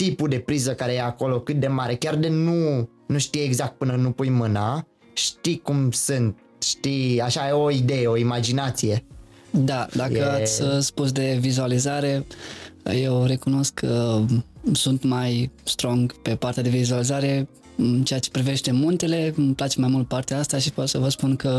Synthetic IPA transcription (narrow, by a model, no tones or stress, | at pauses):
t̪ipud̪e̞pɾizəkaɾe̞jeako̞lo̞kɨt̪̚d̪e̞maɾe̞kʲard̪enu | nuʃt̪ijeeɡzak̚t̪̚pɨnənupujmɨna | ʃt̪ikumsɨnt̪̚ | ʃt̪iaʃaeoid̪e̞jeo̞imad͡ʒinat̪sije̞ | d̪ad̪akəasʲspus̬d̪e̞vizualizaɾe̞ | je̞wɾe̞kuno̞skʰːə | sunt̪majst̪ɾo̞ŋɡpe̞part̪ead̪e̞vizualizaɾe̞ | ɨnt͡ʃeat͡ʃe̞pɾive̞ʃt̪e̞munt̪e̞le̞mplat͡ʃe̞majmult̪̚part̪eaast̪aʃipotsəvəspunkə